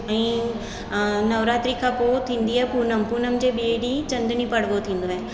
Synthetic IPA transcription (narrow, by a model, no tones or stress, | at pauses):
əĩ | nɐʋɾaːt̪ɾikʰapot̪ʰĩːnd̪iɦɛpuːnəmpuːnəmd͡ʒebiɽit͡ɕɐ̃nd̪ɳĩpɐɽʋot̪ʰĩːnd̪oɦɛː